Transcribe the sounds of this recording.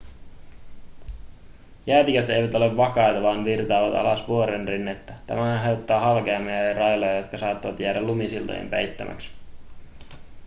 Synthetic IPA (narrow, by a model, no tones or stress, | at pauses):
jæːt̪ikæt̪ejʋæt̪o̞le̞ʋːɑkɑjt̪ɑʋɑːnʋirt̪ɑːʋɑt̪ɑ̰lɑsʋuoɾenrinːet̪ːæt̪æ̰mæhænɦe̞ot̪ːɑːɦɑlke̞ɑmːiɑirɑjlojɑjo̞t̪kɑsɑːt̪ːɑʋɑt̪jæːdælumisilt̪o̰jḛmpejt̪ːæ̰mʔæ̰ks